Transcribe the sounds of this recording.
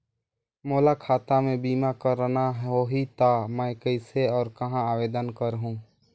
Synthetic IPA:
moːlakʰaːt̪amẽbiːmakəɾnaɦɦoɦit̪amɛ̃kəɪseɔːɾkəɦãaːweːd̪ənkəɾɦũː

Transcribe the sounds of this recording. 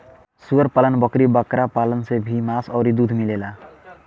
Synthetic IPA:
suʌɾpalʌnbʌkɾibakɾapalʌnsebʱimasʌwɾid̪ud̪ʱmilela

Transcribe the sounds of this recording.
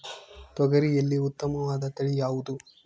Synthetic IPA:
t̪wɐɡɐɾijɐlːiut̪ːɐmɐʋaːd̪ɐt̪ɐɭijaːʋud̪u

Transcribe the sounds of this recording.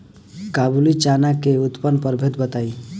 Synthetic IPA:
kabulit͡ʃanakeut̪pənpəɾbʱet̪bət̪ai

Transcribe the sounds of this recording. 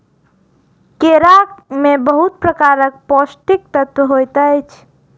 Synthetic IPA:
keɾakmebəɦut̪̚pɾəkaɾək̚pɔsʈik̚t̪ət̪wəɦojt̪əjt͡ʃʰ

